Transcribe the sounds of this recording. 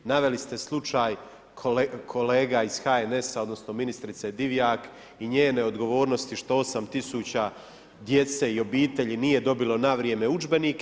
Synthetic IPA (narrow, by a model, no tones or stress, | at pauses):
naʋe̞list̪e̞slˠut͡ʃaːjʰ | kʰo̞leːɡaiz̥xaene̞saod̪no̞sno̞minist̪ɾit̪sed̪iʋjaːk | iɲeːne̞o̞d̪ɡo̞ʋo̞ːɾno̞st̪iʃt̪o̞o̞samt̪isut͡ɕa | d̪je̞t̪se̞io̞biːt̪e̞ʎinije̞d̪o̞bilo̞naʋɾjeme̞ud͡ʒbe̞nik